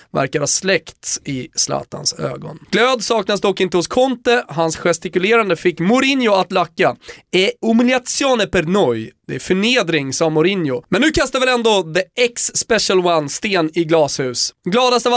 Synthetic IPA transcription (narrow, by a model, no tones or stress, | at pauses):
væ̰ɾkaɾhaslɛkt̪ɪslɑ̰ːt̪a̰nsø̰ːɡɔ̰nɡ̥løːd̪sɑːknas̬d̪ɔkːɪnt̪əhʊskʰɔnt̪əɦansɧɛst̪ɪkɵleːɾand̪əfɪkːmʊɾɪnjʊat̪lakːaɛʊmɪljat̪sɪɔnəpɛɾnɔjd̪̥ɛæɾfœɳeːd̪ɾɪŋsɑːmʊɾɪnjʊmɛnːʉ̟ːkʰast̪avɪlɛnd̪od̪əɛksːpɛʂəlwanːst̪eːnɪɡlɑːshʉ̟ːsɡlɑːd̪ast̪əv